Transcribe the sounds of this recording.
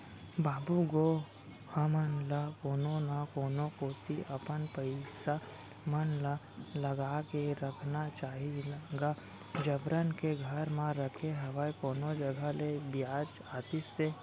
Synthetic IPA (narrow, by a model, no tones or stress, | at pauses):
baːbuɡo | həmənlakoːnonakoːnokoːt̪iʔɐpənpəɪsa | mənla | ləɡaːkeɾəkʰnat͡ʃaːɦilɡa | d͡ʒəbɾənkeɡʱəɾmãɾəkʰeɦɐʋaikoːnod͡ʒɐɡʱalebjaːt͡ʃ | aːt̪ɪst̪eː